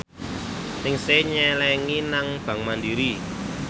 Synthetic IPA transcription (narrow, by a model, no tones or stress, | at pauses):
nɪŋseɲɛlɛŋinaŋb̥ä̤ŋmandiɾi